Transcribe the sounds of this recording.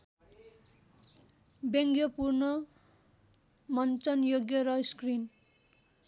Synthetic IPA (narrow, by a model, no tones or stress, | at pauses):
bjʌŋɡjʌpurnʌ | mʌnt͡sʌnjoɡjʌɾʌskrin